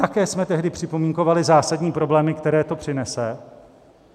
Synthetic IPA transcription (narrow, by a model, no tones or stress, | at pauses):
t̪akɛːsmɛt̪ɛɦdɪpr̥ɪpo̞miːŋko̞valɪzaːsadɲiːpɾo̞blɛːmɪkt̪ɛɾɛːt̪o̞pr̥ɪnɛsɛ